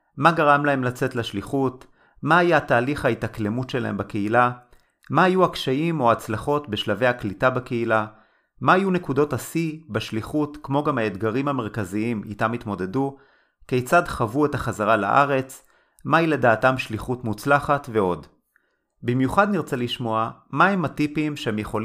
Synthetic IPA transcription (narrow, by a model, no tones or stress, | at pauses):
maɡaʁamlaɦe̞mlat͡se̞tleʃliχut | maajaataːliχhaitakle̞mutʃela̰e̞̰mbake̞ila | maːjuakʃaimo̞at͡slaχo̞tbe̞ʃlave̞jaklitabakeila | maːjunekudo̞tasibaʃliχutkmo̞ɡamhaed̪ɡaʁimhame̞ʁkaziimḭtamit̪mo̞de̞du | ke̞jt͡sadχavue̞taχazaʁala̰ʔa̰ʁe̞t͡s | mailedaːtamʃliχutmut͡slaχatve̞o̞d | bimjuχad̪niʁt͡seliʃmo̞amaɦematipimʃehemjeχo̞l